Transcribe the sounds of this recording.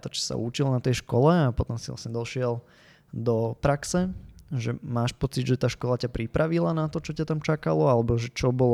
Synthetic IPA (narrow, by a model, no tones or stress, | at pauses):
t̪ɔt͡ʃɛ̥sa̰ʔut͡ʃilnat̪ɛjʃkɔlɛapɔt̪ɔmsila̰sɲɛd̪ɔʃɪɛl | d̪ɔpɾaksɛʒɛmaːʃpɔt͡sid̪ʒɛt̪aːʃkɔlacapɾipɾʔaʋilanat̪ɔt͡ʃɔcat̪amt͡ʃakalɔalɛbɔʒɛt͡ʃɔbɔl